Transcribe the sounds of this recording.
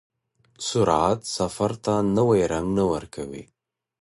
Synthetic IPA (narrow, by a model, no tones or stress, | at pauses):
sʊɾʕat̪safaɾt̪anəwajɾaŋɡnawəɾkʰawḭ